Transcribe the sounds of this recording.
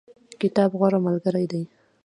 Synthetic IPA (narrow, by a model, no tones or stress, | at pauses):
kɪt̪ɑbɣwaɾamalɡaɾajd̪aj